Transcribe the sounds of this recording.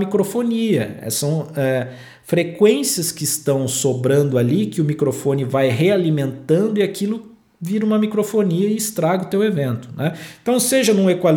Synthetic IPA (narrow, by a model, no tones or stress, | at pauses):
mikɾofoniɐ̰ɛ̰sɐ̃w̃ɛ | fɾekwẽsiɐskɪːst̪ɐ̃w̃sobɾɐ̃nd̪ʊalikɪʊmikɾofõnɪvajɦealimẽnt̪ɐ̃nd̪ʊiakʰilʊ | viɾɐũmɐmikɾofoniɐɪːst̪ɾaɡʊt̪ewevẽnt̪ʊ̥nɛẽt̪ɐ̃w̃seʒɐnũekwal